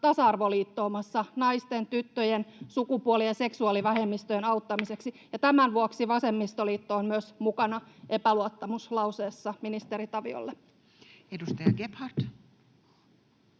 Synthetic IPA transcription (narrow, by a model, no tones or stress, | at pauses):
t̪ɑsɑɑrʋo̞liːt̪ːoomɑsːɑnɑist̪e̞nt̪yt̪ːøjensukupuoliɑse̞ksuɑliʋæɦe̞mːist̪øjenɑwt̪ːɑmise̞ksijɑt̪æmænʋuoksiʋɑse̞mːist̪oliːt̪ːoːmmyøsmukɑnɑʔepæluot̪ːɑmuslɑwseːsːɑminist̪eɾit̪ɑʋio̰lːe | edust̪ɑjɑ̰ɡephɑrd̪̥